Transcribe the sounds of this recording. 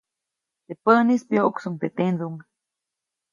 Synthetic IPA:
t̪epənispjoʔksuŋt̪et̪end̪uŋa

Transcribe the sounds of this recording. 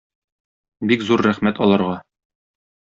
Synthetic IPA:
bikzuɾːæχmæt̪ɒlˠɑɾʁɑ

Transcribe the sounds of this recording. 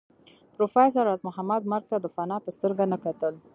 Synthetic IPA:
pɾofɑjs̬aɾɑzmʊɦamad̪̚maɾɡ̚t̪ad̪əfanɑpəst̪əɾɡanakat̪əl

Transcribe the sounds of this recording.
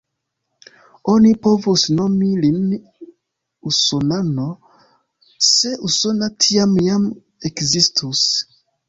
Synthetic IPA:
onipovusnomilin | usonano | seʔusonatʰiamjam | ekzistʰus

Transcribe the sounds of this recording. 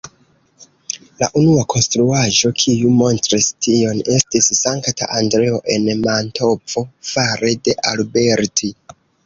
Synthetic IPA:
la̰ʔunuakʰo̞nstɾuaʒo̞kʰijumo̞ntɾistio̞ne̞stisːaŋktʰa̰ʔandɾe̞o̞ʔe̞nmantʰo̞p͡fo̞faɾe̞de̞ʔalbe̞ɾtʰi

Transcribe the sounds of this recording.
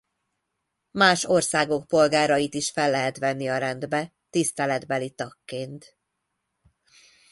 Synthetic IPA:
maːʃo̞rsaːɡo̞k̚po̞lɡaːɾɒjit̪iʃfɛlːɛɦɛt̪ʋɛnːiɒɾɛnd̪bɛ | t̪ist̪ɛlɛd̪bɛlit̪ɒkːeːnt̪

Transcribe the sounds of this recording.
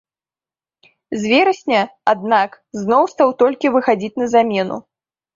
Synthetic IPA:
zʲvʲɛɾɐsʲnʲɐad̪nak | znɔwst̪awt̪ɔlʲkʲivɨxad͡zʲit͡sʲnɐzamʲɛnṵ

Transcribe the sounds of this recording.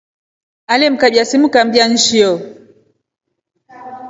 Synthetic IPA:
alɛm̩kaɓjasimukam̩bian̩ʃiɔ

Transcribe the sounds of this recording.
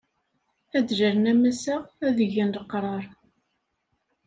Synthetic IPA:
æd̪ʒæɾənæmæsæʁæðəʝænləqːɾˤɑɾˤ

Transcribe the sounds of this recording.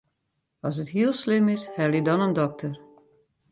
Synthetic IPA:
ɔs̬ətɦiəlˠslɪmɪshɛlˠidɔnəndɔk̚tʰər

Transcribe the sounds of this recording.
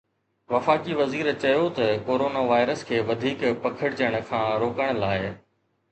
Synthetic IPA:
ʋɐfaːkiʋɐziːɾt͡ɕɐjot̪ɐkoːɾoːnaʋaːɪɾəskʰeːʋɐd̪ʱiːkpɐkʰəɽd͡ʑəɽ̃̆kʰãːɾoːkəɽ̃laːɪ

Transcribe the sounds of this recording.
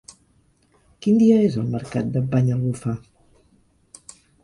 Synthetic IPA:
kind̪iəezəlˠməɾka̰t̪̚d̪əbaɲəlɣufa

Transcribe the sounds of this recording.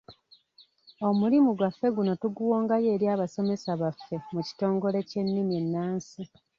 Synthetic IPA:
o̞mulimuɡwafːe̞ɡuno̞tuɡuwoːŋɡaje̞ːɾjaːβaso̞me̞saβafːe̞muci̥to̞ːŋɡo̞le̞ce̞nːimje̞nːaːnsi

